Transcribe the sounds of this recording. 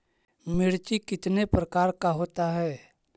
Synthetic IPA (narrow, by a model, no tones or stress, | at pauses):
mɪɽt͡ʃikɪt̪nepɾəkaːɾkaɦoːt̪aɦɛː